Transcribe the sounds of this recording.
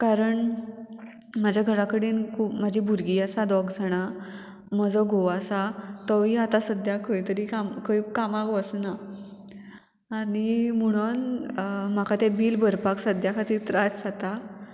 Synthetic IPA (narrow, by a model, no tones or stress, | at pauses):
kaɾəɳ | mad͡ʑʱjaɡʱəɾakəɽiːnkʰuːpmad͡ʑʱibʱuɾɡiasad̪ɔɡd͡zʱaɽ̃a | məd͡zɔɡʱoʋasat̪ɔʋiat̪asəd̪jakʰəit̪əɾikamkəikamãkʋəsna | niməɽ̃ən | m̤akʰat̪ebiːlbʱəɾpaksəd̪jakʰat̪it̪ɾat͡sd͡zat̪a